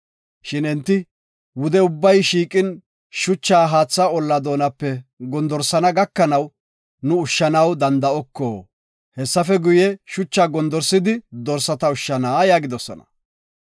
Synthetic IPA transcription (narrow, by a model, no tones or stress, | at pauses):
ʃɪnɛnt̪ːɪ | wʊd̪ɛʊbːɐjʃiːkʼɪn | ʃʊt͡ʃːaːɦaːt͡sːaɔlːɐd̪o̞ːnɐpːɛɡɔnd̪ɔɾsɐnɐɡɐkːɐnɐw | nʊʊʃːɐnɐwd̪ɐnd̪ɐɔkːoː | hɛsːɐfɛɡʊjɛʃʊt͡ʃːaːɡɔnd̪ɔɾsɪd̪ɪd̪ɔɾsɐt̪ɐʊʃːɐnaːjaːɡɪd̪ɔsɔ̰nɐ̥̰